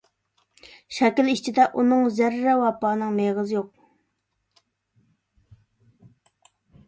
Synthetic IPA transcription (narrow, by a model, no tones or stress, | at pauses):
ɕakəlit͡ɕəd̪aʔonoŋzæɾːawapɑnɑŋmeʁəzjoq̚